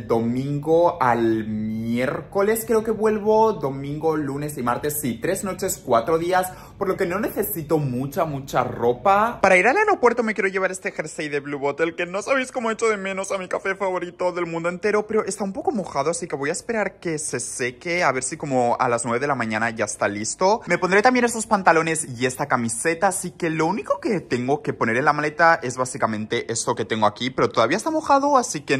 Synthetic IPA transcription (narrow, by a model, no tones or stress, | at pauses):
d̪o̞mĩŋɡo̞almje̞ɾko̞le̞skɾe̞oke̞βwe̞lβo̞ðo̞mĩŋɡo̞lune̞simaɾt̪e̞sːit̪ɾe̞zno̞t͡ʃe̞skwat̪ɾoðias | po̞ɾlo̞ke̞no̞ne̞θe̞sit̪o̞mut͡ʃamut͡ʃa̰ro̞papaɾaiɾalanopwe̞ɾt̪o̞me̞k̬jeɾoʝeβaɾe̞st̪exeɾsejðeβluβot̪elke̞no̞saβ̞ijsko̞moe̞t͡ʃoðe̞mẽ̞no̞samikafefaβo̞ɾit̪o̞ðe̞lmũnd̪oe̞nt̪e̞ɾo̞pe̞ɾo̞ʔest̪aumpo̞ko̞mo̞xaðoasike̞βo̞jaespe̞ɾaɾke̞se̞se̞keaβe̞ɾsiko̞mo̞a̰laznwe̞βe̞ðe̞lamãɲãnaʝaest̪alist̪o̞me̞po̞nd̪ɾe̞t̪ambje̞nest̪o̞spant̪alone̞sie̞st̪akamise̞t̪aːsike̞lo̞uniko̞ket̪e̞ŋɡo̞ke̞po̞ne̞ɾe̞nlamale̞t̪ae̞zβasikamẽ̞nt̪e̞ʔe̞st̪o̞ke̞t̪e̞ŋɡo̞akipe̞ɾo̞t̪o̞ðaβiaest̪amo̞xaðoasike